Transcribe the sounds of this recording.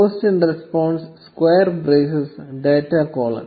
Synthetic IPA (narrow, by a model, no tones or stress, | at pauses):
oːsʈĩnɾespɔ̃ːɳɖsskweːəɾbɾeːsesɖeːʈakɔːlɐ̰̃n